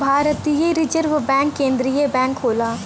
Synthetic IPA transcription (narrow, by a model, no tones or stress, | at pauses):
bʱaːɾət̪ijeɾɪd͡ʒəɾʋbɛ̃ːŋkːẽːnd̪ɾijebɛ̃ːŋkɦoːlaː